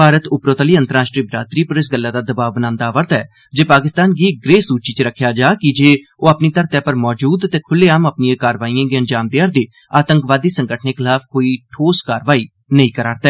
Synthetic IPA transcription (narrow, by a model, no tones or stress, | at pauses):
bʱaːɾət̪ʊpɾoːt̪əliːə̃nt̪əɾaːʃʈɾiːbɾaːt̪ɾiːpəɾɪs̬ɡəlːaːd̪aːd̪əbaːʋbənãːnd̪aːʋəɾt̪ɛː | d͡ʒeːpaːkɪst̪aːnɡiːɡɾeːsuːt͡ʃiːt͡ʃəɾəkʰːjaːd͡ʒaːkɪd͡ʒeː | oːapniːt̪əɾt̪ɛːpəɾmɔːd͡ʒuːd̪t̪eːkʰʊlːeːaːmapnijãːkaːɾʋaːijãːɡeənd͡ʒaːmd̪eəɾd̪eː | aːt̪əŋkʋaːd̪iːsəŋɡəʈʰneːkʰɪlaːfʰkoːiːʈʰoːskaːɾʋaːiː | nəĩːkəɾaːɾt̪ɛː